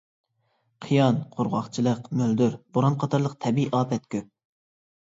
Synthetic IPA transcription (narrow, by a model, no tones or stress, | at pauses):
qʰijɑnqʰoɾʁɑχt͡ʃʰilˠəqmøld̪yɾboɾɑnqʰɑt̪ʰɑɾlˠəq̚t̪ʰɛbiʔɑːpʰɛt̪kʲʰøp̚